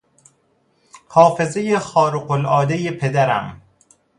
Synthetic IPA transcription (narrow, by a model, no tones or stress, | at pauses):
hɒːfe̞zejexɒːɾuqolɒːd̪ejepʰe̞d̪æɾæ̰m